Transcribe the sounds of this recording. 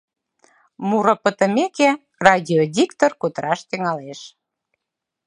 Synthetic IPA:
muɾə̆pət̪ə̆meke | rɑdʲiodʲikt̪orkud̪əɾɑʃt̪iŋɑleʃ

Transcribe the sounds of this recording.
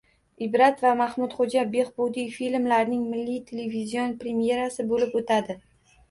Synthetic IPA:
ɪbɾat̪vamahmʊt̪χod͡ʒabe̞χbud̪ijfilmlaɾnɪŋmɪlːijt̪ʰelevizijo̞npɾe̞mje̞ɾasɪbolɪpot̪ʰad̪ɪ

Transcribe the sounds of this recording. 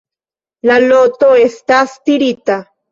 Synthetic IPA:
lalot̪oest̪ast̪iɾit̪a

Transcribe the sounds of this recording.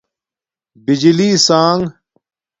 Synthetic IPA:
bid͡ʑiliːsaːŋ

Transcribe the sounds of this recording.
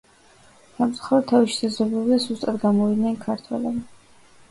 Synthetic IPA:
samt̪sʼu̥χaɾɔd̪̚t̪ʰːaviʃi̥sazɔbɛbid̪azust̪ʼad̪ɡamɔvid̪nɛnkʰaɾt̪ʰwɛ̰lɛbi

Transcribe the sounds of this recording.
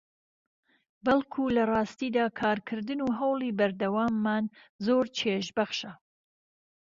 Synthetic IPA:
bɐlˠkʰuːlɐrˤɑːst̪iːd̪aːkʰaːɾkʰɨɾd̪ɨnuɦɐwlˠiːbɐɾd̪ɐwaːmːaːn | zoːɾt͡ʃʰeːʒbɐχʃɐ

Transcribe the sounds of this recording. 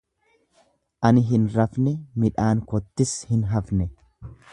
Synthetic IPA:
ʔɐnɪɦɪnɾɐfnɛmɪᶑaːŋkɔt̪ːɪshɪnɦɐfnɛ

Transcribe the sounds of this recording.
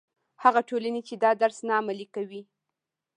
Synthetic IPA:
haɣaʈolanet͡ʃed̪ɑd̪aɾsnaːmalikawi

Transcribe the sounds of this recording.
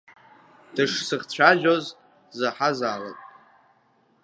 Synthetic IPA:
d̥ɨʂsɨχt͡ɕʷʰaʒoz | zaħazaːla̰tʼ

